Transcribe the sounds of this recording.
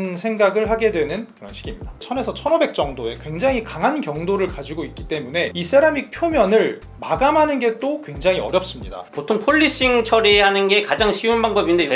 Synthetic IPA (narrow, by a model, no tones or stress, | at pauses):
nsʰe̞ŋɡaɡɯɭɦaɡe̞dwe̞nɯnkjʌŋɕʰiɡimɲidat͡ɕʰʌne̞sʰʌt͡ɕʰʌnʌbe̞k̚t͡ɕ͈ʌŋdoe̞kwe̞ŋd͡ʑaŋikaŋɦankjʌŋdoɾɯɭkad͡ʑiɡoit̚k͈it͈e̞mune̞is͈aɾamik̚pʰjomjʌnɯɭ | maɡamɦanɯnɡe̞t͈okwe̞ŋd͡ʑaŋiʌ̰ɾjʌp̚s͈ɯmɲida̰potʰoŋpʰoɭːiɕ͈iŋt͡ɕʰʌɾihanɯnɡe̞kad͡ʑaŋɕʰiunbaŋbʌbinnde